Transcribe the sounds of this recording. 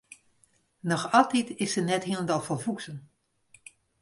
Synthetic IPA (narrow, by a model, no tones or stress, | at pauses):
nɔxɑlˠtitɪsənɛthilˠəndɑlˠfɔlˠfuksən